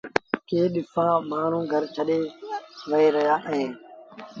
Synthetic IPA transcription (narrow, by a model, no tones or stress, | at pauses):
keːɗɪfʰãːmaːn̤ũːɡʱəɾt͡ʃʰəɗeːʋəeːɾəɦjaːʔɦẽː